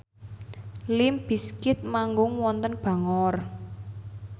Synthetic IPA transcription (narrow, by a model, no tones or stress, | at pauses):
lɪmb̥i̤skɪt̪̚maŋɡʊŋwɔnt̪ənb̥a̤ŋɔr